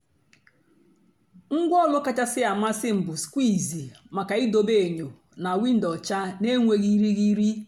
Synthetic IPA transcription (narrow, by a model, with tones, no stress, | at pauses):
ŋ̩˦ɡʷɔ˦˨lʊ˦ka˦t͡ʃa˦sɪ˦a˨ma˦sɪ˦m̩˨bʊ˨skʷi˦˨zi˨ | ma˨ka˨i˦do˨be˦˨ɲo˨ | na˨wi˦n̩˦dɔ˨t͡ʃa˦ne˦ŋʷe˦ɣi˦ɾi˦ɣi˦ɾi˦